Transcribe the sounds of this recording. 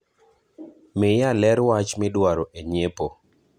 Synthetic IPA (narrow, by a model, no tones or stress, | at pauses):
mɪjalɛɾwat͡ʃmɪdwaɾoʔeɲepo